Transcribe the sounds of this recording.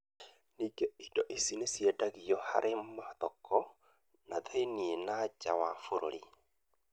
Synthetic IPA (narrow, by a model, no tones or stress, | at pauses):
niːɡeidɔʔesinesjedaɣiɔha̰ɾʔemaðɔkʰɔ | naðenienat͡ʃawafoɾo̰ɾi